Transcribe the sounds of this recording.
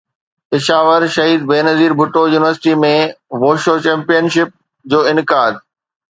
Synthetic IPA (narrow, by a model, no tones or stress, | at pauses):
pɪʃaːʋəɾʃɐɦiːd̪̚beːnɐziːɾbʱʊʈojuːnɪʋəɾsɪ̥ʈimẽʋoːʃoːt͡ɕɛ̃ːmpijənʃɪp̚ | d͡ʑoːɪnkaːd̪